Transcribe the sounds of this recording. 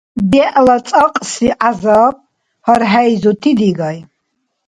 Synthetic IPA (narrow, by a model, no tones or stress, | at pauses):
bɛʔlat͡sʼaqʼsiʔazaːp̚ | haɾɦajzut̪ʰid̪iɡaj